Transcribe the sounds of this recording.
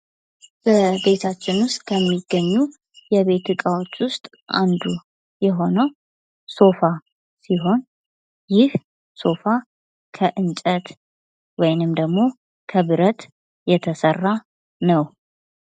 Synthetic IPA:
b̥əbe̞t̪ʰat͡ʃːɪnwʊst̪ʼkʰəmːiɡːəɲːu | jɛβe̞t̪ɨkʼawot͡ʃːwʊst̪ʼ | a̰nd̪u | jɛɦo̞nəw | so̞fa | siɦo̞n | jɪh | so̞fa | kʰəʔɨnt͡ʃʼət̪ | wɔjnɨmd̪əɡmo̞ | kʰəβɨɾət̪ | jɛt̪ʰəsərːa | nəw

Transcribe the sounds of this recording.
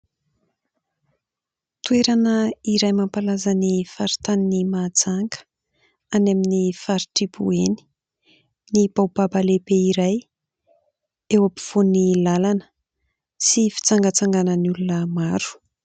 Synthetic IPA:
t̪ueɾanəiɾajmampalazanifaɾit̪aninimat͡saŋɡə̥ | anaminifaɾiʈ͡ʂibṵeni̥ | nibawbabalepeiɾaj | ewapi̥v̥onilalanə̥ | sifi̥t͡saŋɡət͡saŋɡanənulunəmaɾu̥

